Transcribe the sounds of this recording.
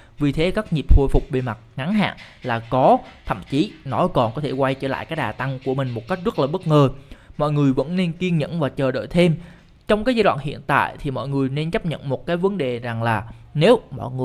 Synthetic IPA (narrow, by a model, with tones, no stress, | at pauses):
vi˨˩t̪ʰe˨˦kaː˦˥k̚ɲi˨˩p̚ho˧jfʊ˨˩k͡p̚ɓe˨˩ma˨˩t̚ŋa˨˦nɦa̰ː˧˨nlaː˨˩kɔ˨˦t̪ʰə̰˧˨mt͡ɕi˨˦nɔ˨˦kɔ˨˩nkɔ˨˦t̪ʰe˧˩kwa˧jt͡ɕə̰ː˧˩la̰ː˧˨jkaː˨˦˥jɗaː˨˩t̪a˧ŋku˧˩əmï˨˩ŋ̟mo˨˩t̚ka˦˥k̚zə˦˥t̚laː˨˩ɓə˦˥t̚ŋəː˨˩mɔ̰˧˨jŋɨ˨˩əjvə̰˧˥nne˧nki˧əŋɲə̰˧˨nvaː˨˩t͡ɕəː˨˩ɗo̰˧˨jt̪ʰe˧m | t͡ɕɔ˧wŋ͡mkaː˨˦zaː˧jwa̰ː˧˨nhḭ˧˨ənt̪a̰ː˧˨jt̪ʰi˨˩mɔ̰˧˨jŋɨ˨˩əjne˧nt͡ɕə˦˥p̚ɲə̰˧˨nmo˨˩t̚kaː˨˦jvə˨˦nɗe˨˩za˨˩ŋlaː˨˩ne˨˦wmɔ̰˧˨ŋɨ˨˩